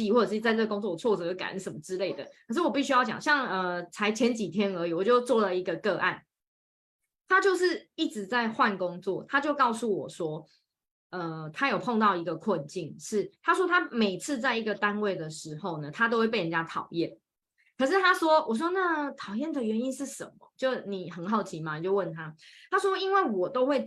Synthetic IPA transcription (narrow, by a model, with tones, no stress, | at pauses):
i˥˧wɔ˥˩ə˨˩˥i˨˧a˥˧ɪʈ͡ʂɤ˥˩ɡə˩ko˥ŋt͡swɔ˥˩˨t͡sʰɔ˥˩t͡sɤ˨˩jo˥˩ka̰˨˩nə̰˧˦nsə˨˩nmə˦ʈ͡ʂɻ̩˥le˥˩ɪd̪ə̰˩kʰə˨˩ʂɻ̩˥˩wɔ˨˩pi˥˩ɕy˥jɑ˥˩ʊt͡ɕjɑ̰˨˩ŋɕjɑ˥˩ŋə˨˩t͡sʰa˧˥ɪt͡ɕʰjɛ˧˥nt͡ɕi˨˩t̪ʰjɛ˦˥nə˧˦˥i˨˩wɔ˨˩t͡ɕjo˥˧ʊt͡swɔ˥˩lə˨i˧˥ɡə˧kɤ˥˧ʔa̰˥˩n | t̪ʰa˥t͡ɕjo˥˧ʊʂɻ̩˥˨i˥˩ʈ͡ʂɻ̩˧˦t͡sa˥˧ɪxwa˥˨nkʊ˦ŋt͡swɔ̰˥˨˩t̪ʰa˦t͡ɕjo˥˧ʊkɑ˥˧ʊsu˥˩wɔ̰˨˩ʂwɔ˥ | ə˨t̪ʰa˥jo˨˩ʊpʰɔ˥˧ŋt̪ɑ˥˩ʊi˧˥ɡə˨kʰwə˥˨nt͡ɕi˥˩nʂɻ̩˥˩t̪ʰa˥swɔ˥t̪ʰa˦˥me˨˩ɪt͡s̩ʰ˥˧t͡sa˥˩ɪi˧˦˥ɡə˨t̪a˦nwe˥˩ɪd̪ə˩ʂɻ̩˧˥xo˥˩ʊnə˩t̪ʰa˥t̪o˥ʊxwe˥˧ɪpe˥˩ɪə˨˩t͡ɕja˥t̪ʰɑ˨˩ʊjɛ˥˩n | kʰɤ˨˩ʂɻ̩˥˩t̪ʰa˥ʂwɔ˥wʔɔ˨˩s̬wɔ˥na˥˩t̪ʰɑ˨˩ʊjɛ˥˩nd̪ə˨ɥɛ˧˦ni˦nʂɻ̩˥˩ʂə̰˨˩mmə̰˨˩t͡ɕjo˥˩ni˨˩xə˨˩nxɑ˥˩ʊt͡ɕʰi˨˥ma˨ni˨˩t͡ɕjo˥˧ʊwə˥˩nt̪ʰa˦t̪ʰa˥ʂwɔ˥i˥nwe˥˩ɪwɔ˨˩t̪o˥ʊxwe˥˩ɪ